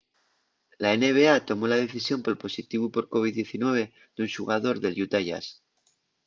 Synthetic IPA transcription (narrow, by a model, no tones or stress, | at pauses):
laene̞βe̞at̪o̞mo̞lað̞e̞θisjo̞mpolpo̞sit̪iβupo̞ɾko̞β̞iðje̞θinwe̞β̞e̞ | d̪̥unʃuɣaðo̞ɾðe̞ljut̪aʝa̰s